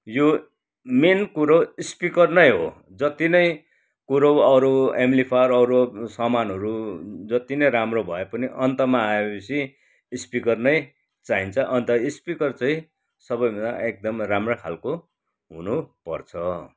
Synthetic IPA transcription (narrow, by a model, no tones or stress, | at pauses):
jo | menkuɾowispikʌrnʌjɦo̰ | d͡zʌt̪inʌj | kuɾʌwʌɾoemlipʰaɾʌɾosʌmanɦʌɾud͡zʌt̪inʌjɾamrobʱʌepʌniʔʌnt̪ʌmaːepʌsi | ispikʌrnʌj | t͡saɦint͡sʰʌʔʌnt̪ʌispikʌrt͡saĩ | sʌbʌjmʌnaʔek̚d̪ʌmramrakʰalko | ɦṵnupʌrt͡sʰʌ